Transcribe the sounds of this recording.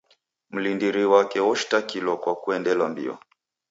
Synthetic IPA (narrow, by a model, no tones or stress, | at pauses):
m̩lindiɾiwakɛɔʃi̥takilɔkwakuɛndɛlwambḭɔ̰